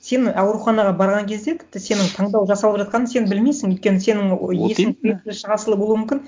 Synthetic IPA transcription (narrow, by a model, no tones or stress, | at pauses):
se̞nɑwɾuχɑnɑʁɑbɑɾʁɑŋkʲʰe̞zd̪e̞t̪ʰɪ̥p̚t̪ːɪse̞nɪŋt̪ʰɑɴd̪ɑwʒɑsɑlˠəpʒɑt̪qɑnənse̞nbɪlmejsɪŋɵjt̪kʲe̞nɪse̞nɪŋesɪmelɪʃəʁɑsəlˠəbouəmʏmʲkʲɪn